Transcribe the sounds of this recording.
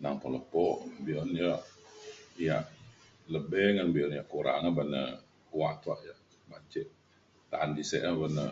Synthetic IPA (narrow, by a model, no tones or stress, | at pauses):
naŋpɔləpɔʔbiɔnjɔʔ | ijaʔ | ləbɛŋanbiɔnijaʔkuɾa̰ŋabanə̰ | kuaʔt̪uaʔjaʔ | mat͡ʃɪʔ̚ | t̪aandisɛ̰ʔabənə